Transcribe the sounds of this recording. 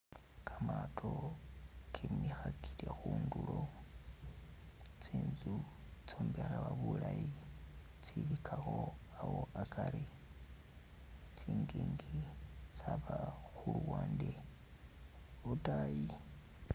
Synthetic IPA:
kʰamatʰo | kʰimixakʰilexuːndulo̞ | t͡siːnzu | t͡somberawaβulaji | t͡siβikʰaxo̞awo̞akaɾi | t͡siːŋɡiːŋɡit͡saβaxuluwaːnde | βutaji

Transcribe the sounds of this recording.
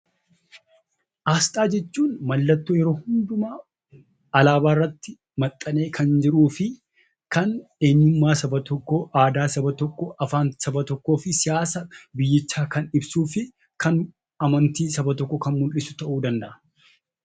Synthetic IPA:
ʔaːst̪ʼaːd͡ʒɛt͡ʃːuːnmɐlːɐt̪ːoːjɛɾo̞ːhʊnd̪ʊmɐ | ɐlaːbaːɪrːɐt̪ːɪ | mɐt̪ʼːɐne̞ːkʰɐnd͡ʒɪɾuːfɪ | kɐne̞ːɲːʊmːaːsɐbɐt̪ɔkːɔʔaːd̪aːsɐbɐt̪ɔkːɔʔɐfaːnsɐbɐt̪ɔkːo̞ːfɪsɪjaːsɐbɪjːɪt͡ʃːaːkɐnɪbsuːfɪ | kɐn | ɐmɐnt̪iːsɐbɐt̪ɔkːɔkɐnmʊlʔɪsʊ̥t̪ɐʔuːd̪ɐnd̪ɐʔɐ

